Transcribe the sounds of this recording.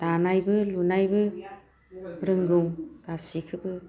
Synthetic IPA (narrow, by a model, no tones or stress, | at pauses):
d̥anajbɯlunajbɯ | ɾɯŋɡɯwɡ̥asikʰɯbɯ